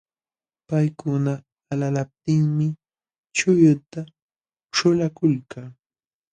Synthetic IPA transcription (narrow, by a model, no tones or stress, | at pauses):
pajkʊnaː | lalap̚t̪ɪŋmɪ | t͡ʃʊjʊt̪a | ʈ͡ʂʊlakʊlkaː